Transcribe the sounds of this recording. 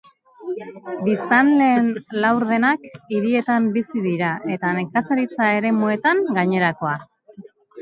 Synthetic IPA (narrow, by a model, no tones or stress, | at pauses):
bist̪anle̞ːnlawɾðe̞nakiɾie̞t̪ambisiðiɾaʔe̞t̪ane̞kasaɾit͡sae̞ɾe̞mue̞t̪aŋɡaɲe̞ɾako̞a